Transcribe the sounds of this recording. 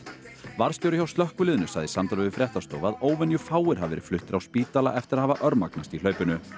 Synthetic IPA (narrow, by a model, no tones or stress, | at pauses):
vaɾ̥st̪jowɾʏçawst̪lœhkʏlɪːðʏnʏsaɣðɪsamt̪alʏvɪfɾjɛht̪ast̪oːwvaðoːwvɛnjʏfaːwɪɾ̥ɦavɛ̰ːɾɪ̥flʏht̪ɪɾawspiːt̪ala̰ʔɛft̪ɪɾaðhavaʔœɾmaknast̪il̥œːɥpʏnʏ